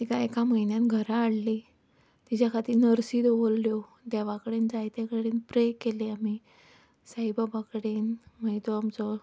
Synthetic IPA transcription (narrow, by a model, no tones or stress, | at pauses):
t̪ikaekaməjnjãnɡʱəɾaːɽli | t̪it͡ɕakʰat̪iːnəɾsiːd̪oʋolːjo | d̪aʋakɽend͡zajt̪akəɽenpɾekeleami | sajbabakɽenmajt̪oamt͡sɔ